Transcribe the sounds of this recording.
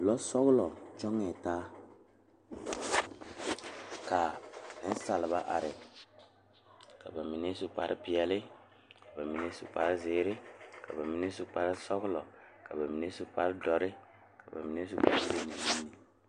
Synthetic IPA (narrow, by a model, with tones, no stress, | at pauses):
lɔ˦sɔ˦ɣʊ˦lɔ˨t͡ʃɔ˦ŋɛ˨taː˦ | ka˨ɛ˦n̩˦sa˨lɪ˨βa˦ʔa̰˨ɾɪ˨ | ka˨ba˨mi˨ne˦sʊ˦pa˨˦ɾɪ̰˦pɪ˨ɛ˨lɪ˦ | ka˨ba˨mi˨ne˦sʊ̰˨pa˦ɾɪ˦zɪː˨˦ɾɪ˦ka˨ba˨mi˨ne˦sʊ˦pa˦ɾɪ˦sɔ˦ɣʊ˦lɔ˨ka˨ba˨mi˨ne˦sʊ˦pa˦ɾɪ˦dɔ˨ɾɪ˦ | ka˨ba̰˨mi˨n˦e˦sʊ˦pa̰˦ɾse˦ni˨˦mi˦ni˨